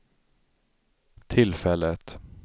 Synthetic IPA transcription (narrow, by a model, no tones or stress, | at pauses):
t̪ʰɪlfɛlːət̪